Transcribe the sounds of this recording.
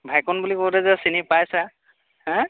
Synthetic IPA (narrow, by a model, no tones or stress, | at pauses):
bʱajkɔnbulikowtɛzɛsinipajsa | ɦɛ̃